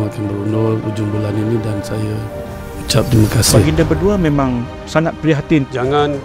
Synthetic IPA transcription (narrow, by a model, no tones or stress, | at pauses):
ŋakanbəɾunɔrṵd͡ʒumbulaninidansajə | ut͡ʃap̚t̪ɾimakasbaɪɡindəbərduamẽmãŋ | sanat̪̚pɾiɦat̪ɪnd͡ʒaŋan